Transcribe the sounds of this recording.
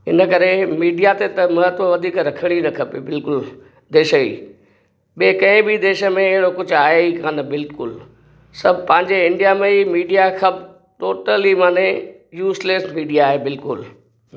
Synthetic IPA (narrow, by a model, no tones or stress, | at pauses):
ɪ̰nəkɐɾemiːɖijat̪et̪ɐmɐɦət̪ʋəʋɐd̪ʱiːkɾɐkʰəɽ̃inɐkʰɐpebɪlkʊl | d̪eːʃəḭː | ɓekɐ̃ɪ̃bid̪eːʃə̆mẽːɦɪɽokʊd͡ʑʱʊaːɦeikanbɪlkʊ̰l | sɐbʱpɐ̃ɦɪ̃ɲd͡ʑeɪ̃ɳɖijamẽimiːɖijaxʰɐb | ʈoːʈəlimaːne | juːsleːsmiːɖijaːɦebɪlkʊl